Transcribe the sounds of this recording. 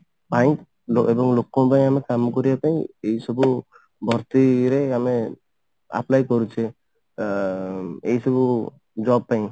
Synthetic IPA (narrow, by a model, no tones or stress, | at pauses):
baj̃k | loebɔŋlokːɔ̃paj̃amekamkɔɾijapaj̃ejsɔbu | bʱɔɾt̪iɾeame | a̰plajkɔɾut͡ʃʰe | ejsɔbu | d͡ʒɔb̚paj̃